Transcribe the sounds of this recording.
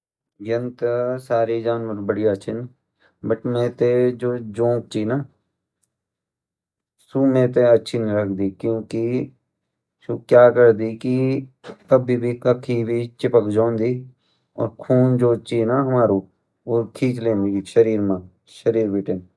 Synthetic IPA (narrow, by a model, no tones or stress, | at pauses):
jənt̪saːɾiːd͡ʒaːnʋəɾbəɽiaːt͡ʃʰɪn | bəʈmẽːt̪ed͡ʒoːd͡ʒõːk̚t͡ʃiːnaː | suːmẽːt̪eətːʃʰinɾəkʰd̪iːkjõːki | ʃokjaːkəɾd̪iːki | əbibʱikəkʰiːbʱit͡ʃɪpəkd͡ʒõːnd̪iː | ɔ̰ːɾkʰuːnd͡ʒoːt͡ʃiːnaːɦəmaːɾuː | oːkʰiːt͡ʃlẽːnd̪iiʃəɾiːɾmãː | ʃəɾiːɾbiːʈən